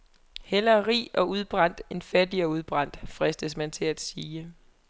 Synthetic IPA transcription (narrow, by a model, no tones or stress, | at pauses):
hel̰ɐʁḭːɒ̽uð̞ˠb̥ʁɑ̈n̰d̥e̝nfæd̥iɒuð̞ˠb̥ʁɑ̈n̰d̥fʁɛsd̥əsmænt͡sʰe̝læd̥siːə